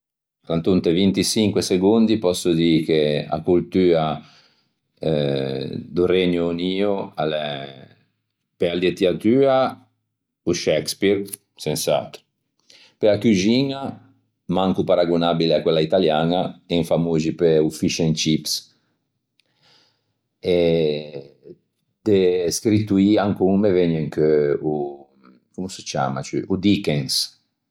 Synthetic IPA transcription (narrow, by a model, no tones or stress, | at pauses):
kant̪unt̪evint̪isiŋkweseɡond̪ipɔsːod̪ikea̰kult̪yːa | d̪ureɲoniːoalɛ | peald̪et̪iat̪yːa | uʃɛkspiɾ | sensa̰t̪ | peakud͡ʒiːna | mãŋkupaɾaɡunabileakwɛlait̪aljanaɛŋfamuʒipeufiʃɛnt͡ʃips | ɛ | d̪̥eskɾit̪uiaŋkuŋmeveɲeŋkøu | kumuset͡ʃa̰ma̰t͡ʃy̰ʔud̪ikɛ̃ŋs